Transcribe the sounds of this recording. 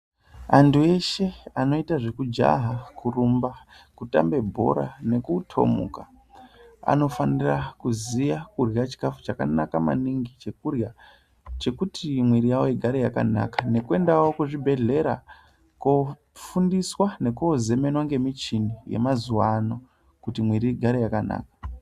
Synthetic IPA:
andue̞ʃe̞ano̞itaʐe̞kud͡ʒa̰ɦakurumba | kuta̰mbe̞bʱo̞̰ɾa̰ne̞kutʰo̞̰mṵka | a̰no̞fanirakuzijakurjat͡ʃi̥kafu̥t͡ʃaka̰nakama̰niŋɡit͡ʃe̞kurja | t͡ʃe̞kutʰimwiɾijawojeɡʱaɾejaka̰na̰kḁne̞kue̞ndawokuʐibʱe̞ɮe̞ɾa | ko | fundiswane̞kuoze̞me̞nwaŋɡe̞mit͡ʃinije̞̰mazuwano̞ | kutimwiɾiɡʱaɾejakana̰ːkḁ

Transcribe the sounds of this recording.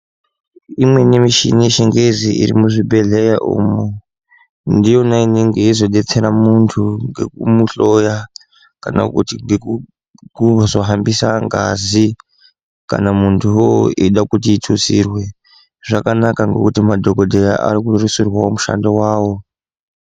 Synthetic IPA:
imwe̞ne̞miʃḭniʃeŋɡe̞ziḭɾḭmuʐibʱe̞ɮejaʔṵːmu | ndijo̞naineŋɡe̞izo̞ɗe̞t͡se̞ɾamuntʰuŋɡe̞̰kumuɬo̞ja | kana̰kutiŋɡe | kuzoɦambisaŋɡa̰zi | ka̰namuntʰujoʔiɗakutiːtʰusirwe̞ | ʐakanakaŋɡe̞̰kutimadʱo̞ko̞dʱeja̰ʔa̰rikurisirwaomuʃa̰ndo̞waːwo̞

